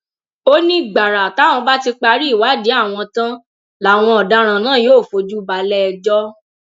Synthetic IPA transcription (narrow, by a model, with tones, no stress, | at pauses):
o˦nĩ˦ɡ͡ba˨ɾa˨ta˨˦w̃ɔ̃˧ba˦ti˧k͡pa˧ɾi˦i˦˨wa˨˦de˨˦a˦˨w̃ɔ̃˧tã˦ | la˨˦˨w̃ɔ̃˧ɔ˨da˨˦ɾ̃ã˨nãː˦˨joː˦˨fo˧˦d͡ʒu˦ba˧lɛ˦˧d͡ʒɔ˦